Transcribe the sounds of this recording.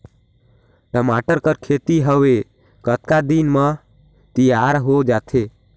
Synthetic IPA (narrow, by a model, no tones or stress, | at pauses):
ʈəmaʈəɾkəɾkʰet̪iɦəʋe | kət̪kad̪inmə̃ | t̪ijaːɾɦod͡ʒaːt̪ʰe